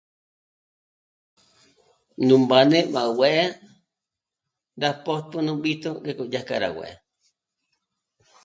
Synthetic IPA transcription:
nũmbanẽmaweʔ | dapotɨnũɓit̪uɾekod͡ʒahkaɾa̰wḛ

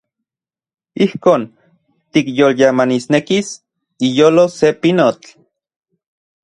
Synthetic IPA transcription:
ihkoːn | t̪ikjoljamanisnekis | ijoːlosepinot͡ɬ

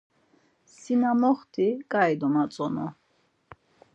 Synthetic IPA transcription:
sinamɔχt̪ʰikʼajd̪ɔnat͡sʼɔnɔ̰

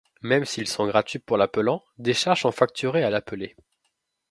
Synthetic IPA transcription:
mɛmsilsɔ̃ɡʁat̪ɥipuʁlapəlɑ̃ | d̪eʃaʁʒsɔ̃fak̚t̪ʰyʁealapəle

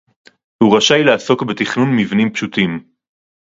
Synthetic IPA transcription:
huʁaʃajleaso̞kbet̪iχnunmivnimpʃut̪im

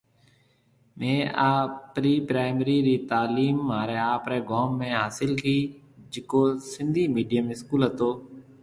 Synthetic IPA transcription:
mẽːaːpɾiːpɾaːɪməɾiːɾiːt̪aːliːmːaːɾeːaːpɾeːɡoːmːẽːɦaːsɪlkiː | d͡ʒɪkoːsɪ̃nd̪ʱiːmiːɖɪjəmɪskuːlɦət̪oː

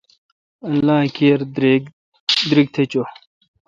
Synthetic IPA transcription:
ɐlːaːkeɾ | d̪ɾiɡ̚t̪ʰet͡ɕo

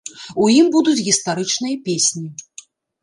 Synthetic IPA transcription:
ujimbud̪ut͡sʲɣʲist̪aɾɨt͡ʂnɨjɐpʲesʲnʲi

